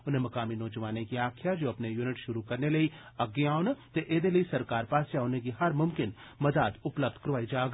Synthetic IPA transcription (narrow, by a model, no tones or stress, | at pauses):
ʊnɦẽmɐkaːminɔːd͡ʒɐʋaːnekiaːkʰjad͡ʒoːɐpnejuːnɪʈʃʊɾukɐɾnelɐiɐɡeaːʊnt̪eʔeːd̪elɐisɐɾkaːɾpaːsjaʊnɦẽk̬iɦɐɾmʊmkɪnmɐd̪ad̪ʊpləb̚d̪kɾʋaːid͡ʒaːɡ